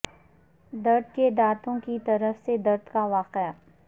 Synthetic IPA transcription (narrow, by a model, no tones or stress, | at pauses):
d̪ɐɾd̪ked̪aːt̪õkit̪ɐɾəfsed̪ɐɾd̪kaʋaːqea